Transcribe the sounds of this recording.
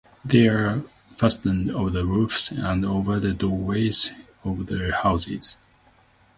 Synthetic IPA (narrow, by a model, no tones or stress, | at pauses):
ðeɪə˞ | fæstə̃ndovəðəɹufsə̃ndoʊvə˞ðɨdɔɹweɪz | ɔvðəhaʊzɪ̰z̥